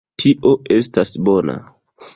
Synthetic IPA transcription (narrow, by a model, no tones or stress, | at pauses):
tʰiʔo̞e̞stasbo̞na̰